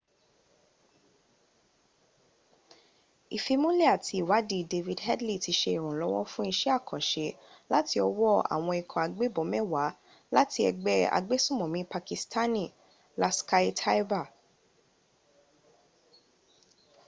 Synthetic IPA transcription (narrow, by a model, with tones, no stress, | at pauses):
i˨fi˧mũ˦le˦˨a˨tʰi˧˨wa˨˦di˧de˧vi˧˨dhɛ˦dli˦˨ti˨˧ʃe˧i˨ɾ̃ũ˨lɔ˨˦wɔ˦fũ˦i˧ʃɛ˦a˦˨kʰɔ̃˨ʃe˧˦la˦ti˧ɔ˧wɔ˦˨a̰˨w̃ɔ̃˧i˨kʰɔ̃˨a˨ɡ͡be˦bɔ˨˦mɛ˦wa˨˦ | la˦ti˧ɛ̰˧ɡ͡bɛ˦a̰˧ɡ͡be˦sũ˦˨mɔ̃˨mĩ˦pa˧ki˧stʰa˦nĩ˦˨ | la˦ska˦i˦tʰa˦i˦ba˦˨